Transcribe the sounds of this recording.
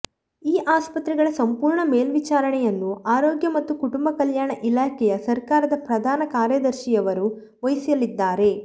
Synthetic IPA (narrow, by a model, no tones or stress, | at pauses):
iːʔaːspɐt̪ɾɛɡɐɭɐsɐmpuːɾɳɐmeːlʋit͡ʃaːɾɐɳɛjɐnːuaːɾoːɡjɐmɐt̪ːukuʈumbɐkɐljaːɳɐʔilaːkʰɛjɐsɐɾkaːɾɐd̪ɐpɾɐd̪ʱaːnɐkaːɾjɐd̪ɐɾʃijɐʋɐɾu | ʋɐjsijɐlid̪ːaːɾe̞